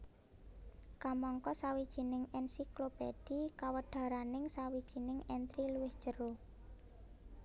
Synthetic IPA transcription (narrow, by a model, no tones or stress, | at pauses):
kamɔŋkɔsawid̥ʒ̥i̤nɪŋɛnsiklopḛd̥ikawəɖ̪̥a̤ɾanɪŋsawid̥ʒ̥i̤nɪŋɛnt̪ɾiluwɪhd̥ʒ̥ə̤ɾo